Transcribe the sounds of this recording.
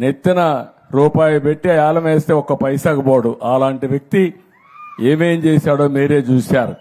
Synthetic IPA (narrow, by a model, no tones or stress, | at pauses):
net̪ːinɐ | ɾuːpaːjupeʈːijaːlɐmeːst̪eːɔkːɐpɐjsaːɡɐboːɽuʔaːlaːɳʈiʋjɐk̚t̪i | eːmeːmt͡ʃeːsaːɽo̞ːmiːɾeːt͡ʃuːsaːɾṵ